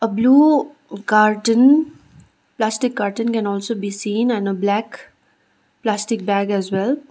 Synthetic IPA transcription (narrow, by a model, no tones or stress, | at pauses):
əbluː | kaːɾʈə̃n | plæːsʈɪkːaːɾʈə̃nkɛ̃nɔːlsoːbiːsĩːnɛ̃nəblæːk | plæːsʈɪk̚bæːɡɛzwɛl